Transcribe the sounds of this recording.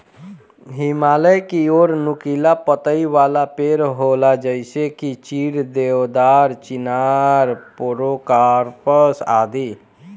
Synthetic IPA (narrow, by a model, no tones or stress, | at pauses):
ɦɪmaːləjkioːɾnʊkilapət̪əiʋaːlapeːɾɦolad͡ʒəɪsekit͡ʃiːɾd̪ewd̪aːɾt͡ʃɪnaɾpoɾokaɾpəsa̰ːd̪i